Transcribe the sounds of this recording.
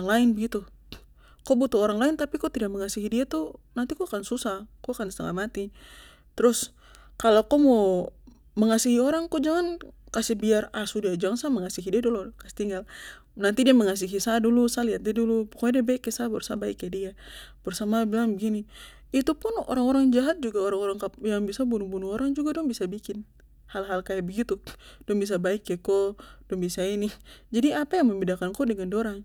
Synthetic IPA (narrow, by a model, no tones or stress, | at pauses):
ŋlaɪnbəɡit̪u | kɔbut̪uoɾaŋlaɪnt̪apikot̪idak̚məŋasiɦidiat̪unant̪ikɔakansusahkɔakansəla̰mat̪i | t̪ɾʊs | kalokɔmo | məŋasiɦioɾaŋkɔd͡ʒaŋankasibiarasudiad͡ʒaŋansaməŋasiɦidiadulukasi̥t̪iŋɡal | nant̪idiaməŋas̬iɦisadulusaliat̪̚diadulupɔ̥kɔɲadiabaikːɛsabɔrsabaikːɛdiab̥ɔrsamabilaŋbəɡini | it̪upunɔ̰ɾaŋɔɾaŋd͡ʒaɦat̪̚d͡ʒuɡaɔɾaŋɔɾaŋkapjaŋbisabunubunuɔɾaŋd͡ʒuɡadɔŋbisabikin | halɦalkajaʔbəɡit̪udɔŋbis̬abaikːɛkɔdɔŋbisainid͡ʒadiapajaŋməmbidakankɔdɛŋandɔɾaŋ